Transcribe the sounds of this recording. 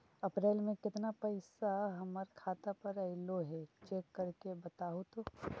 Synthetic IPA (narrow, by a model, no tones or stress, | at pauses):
ɐpɾeːlmẽkɪt̪napɐɪsaɦɐməɾkʰaːt̪apɐɾɐɪloɦɛt͡ʃeːkːɐɾkebɐt̪aːɦot̪oː